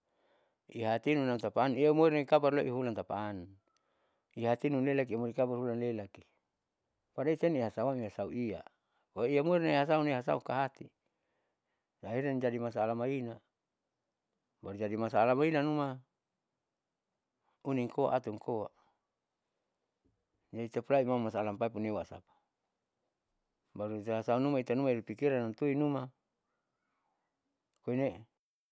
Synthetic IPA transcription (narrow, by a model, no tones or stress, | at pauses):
iɦat̪inunat̪apaːniamoirnaikabarloʔiɦulant̪apan | iɦat̪inunlelak̬iamuɾikabarhulanlelaki | padait̪ɛniɦasauamiɦasauʔia̰ | oiamoirnaiɦas̬aunaiɦasa̰ukaɦat̪i | naɦiɾand͡ʒadimasaːlamaina | baɾud͡ʒadimasaːlamainanuma | uniŋkoa̰ʔat̪uŋkowa | d͡ʒait̪apulaimamːasaːlampaipunewasa̰pḁ | baɾut̪ɦasaunumait̪anumaiɾipikiɾanant̪uinuma | koine